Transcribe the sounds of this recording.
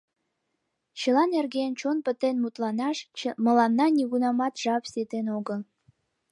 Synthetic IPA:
t͡ɕəlɑnerɡent͡ɕonpə̆t̪enmut̪lɑnɑʃmə̆lɑnːɑnʲiɣunɑmɑt̪ʒ̥ɑpsʲet̪enoɡə̆

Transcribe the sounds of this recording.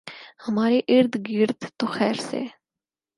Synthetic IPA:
həmaːɾeʔɪɾd̪ɡɪɾd̪t̪oxɛːɾsḛː

